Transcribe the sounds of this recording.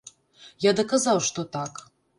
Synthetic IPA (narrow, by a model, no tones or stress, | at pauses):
jad̪ɐkazɑwʃt̪ot̪ɑk